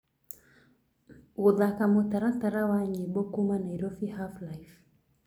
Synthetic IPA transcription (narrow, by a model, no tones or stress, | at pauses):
uðakamɔtaɾat̪aɾawaɲibɔkumanaiɾɔfihaflajf